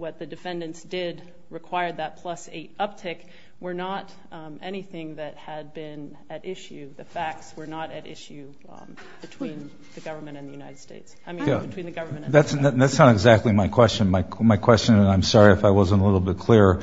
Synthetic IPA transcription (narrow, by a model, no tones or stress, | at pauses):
wʌt̪̚ðɨdɨfɛ̃ndɨ̃ntsd̥ɪd̚ | ɹɨkʰw̥aɪə˞d̪̚ðɨt̚pʰl̥ʌsḛɪɾʌp̚tʰɪk | wə˞nəɾ | ʔɛñiθɪ̃ŋðɨt̚hɨd̚bɪ̃n | ɨɾɪʃʉðɨfæk̚tswə˞nəɾɨɾɪ̰ʃʉ | b̥ɨtʰw̥ĩn | ðɨɡʌvə˞mɨ̃ñɨ̃nðɨjʉnaɪɨd̥steɪtsaɪmĩjæbɨtʰwĩnðɨɡʌvə˞m̃ðætsðæðætsnəɾɨɡzæk̚tˡlimaɪkʰw̥ɛst͡ʃɨ̃nmaɪmaɪkʰw̥ɛst͡ʃɨ̃nə̃nãɪ̃msɑɹiɨfaɪwʌzə̃nəlɪɾl̩ˠbɪt̚kʰl̥ɪɹ